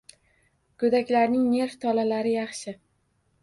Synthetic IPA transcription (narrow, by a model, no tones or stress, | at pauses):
kʰɵd̪akʲlaɾnɪŋne̞ɾft̪ʰɒlalaɾɪjɑχʃɪ